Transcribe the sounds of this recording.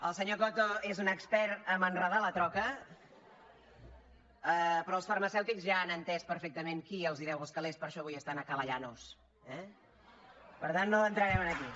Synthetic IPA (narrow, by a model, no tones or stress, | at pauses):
əlˠsəɲokɔt̪oezunəkspɛɾt̪əmənrəðalət̪ɾɔkə | əpɾɔlˠsfəɾməsɛwt̪ikzʒaːnənt̪ɛspəɾfek̚t̪əmeŋkiəlˠzðiɾɛwəlˠskəlespəɾʃɔβujəst̪anəkələʎanos | ɛ | pəɾt̪anːoənt̪ɾəɾɛmənəki